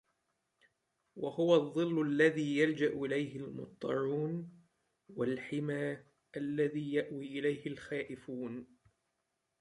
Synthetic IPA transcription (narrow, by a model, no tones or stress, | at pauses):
wahʊwaðˤːɨlːalːaðiːjald͡ʒaʔʔɪlajhɪlmʊ̰t̪ˤːɑɾuːn | walħɪmaː | ʔalːaðiːjaʔwiːʔɪlajhɪlxaːʔɪfuːn